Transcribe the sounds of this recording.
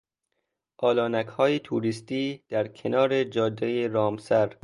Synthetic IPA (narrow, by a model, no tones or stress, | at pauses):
ʔɒːlɒːnækhɒːjet̪ʰuːɾist̪iːd̪̥æɾkʰenɒːɾe̞d͡ʒɒːd̪ːejeɾɒːmsæɾ